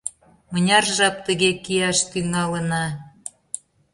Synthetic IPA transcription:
mə̆nʲɑrʒɑp̚t̪əɣekijɑʃt̪yŋɑlə̆nɑ

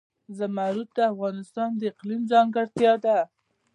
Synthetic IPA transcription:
zəmaɾut̪̚d̪əafɣɑnɪst̪ɑnd̪əɪqlimzɑŋɡaɽt̪jɑd̪a

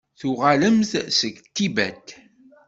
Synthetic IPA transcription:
θuʁaləmθsəɡt̪ːibæ̰t̪ː

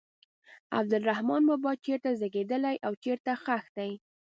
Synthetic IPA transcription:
a̰b̚d̪ʊlɾahmɑnmabɑt͡ʃeɾt̪azaɡed̪əlajʔawt͡ʃeɾt̪axaxd̪aj

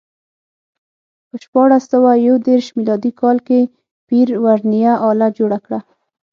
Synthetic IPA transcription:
pəʃpɑɽasəwajawd̪eɾʃmilɑd̪ikɑlke | piɾwaɾnijaʔɑlad͡ʒoɽakɽa

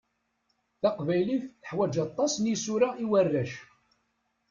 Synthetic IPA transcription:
θɑqvæjliθθəħwæd͡ʒɑt̪ˤːɑsnjisuɾaʔiwərːæʃ

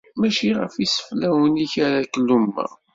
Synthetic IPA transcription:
mæʃiʁə̰fisə̥flæwəniçaɾakəlːumːæ̰

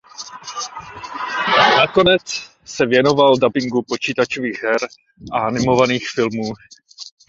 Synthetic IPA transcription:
nako̞nɛt͡s | sɛvjɛno̞valdabɪŋɡupo̞t͡ʃiːt̪at͡ʃoviːɣɦɛɾ | ʔaanɪmo̞vaniːxfɪlmuː

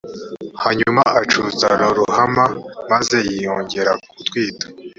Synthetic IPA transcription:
haɲumaʔat͡ʃuzaɾoɾuhamamaze̞jijoːɲɟe̞ɾak̚utwiːtḁ

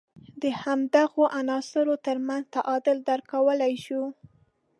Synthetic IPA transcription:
d̪əhamd̪aɣoʔanɑsɪɾot̪əɾmanzt̪aʔɑd̪ɪld̪aɾkawəlajʃu

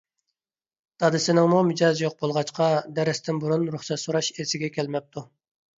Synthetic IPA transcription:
t̪ʰɑd̪ɨsɪnɪŋmumɪd͡ʒɑzjoq̚bolˠʁɑt͡ʃqʰɑd̪ɛɾɪst̪ɪnbuɾunɾuχsɛt̪soɾɑʃesɪɡʲɛkʲʰɛlmɛp̚t̪ʰu

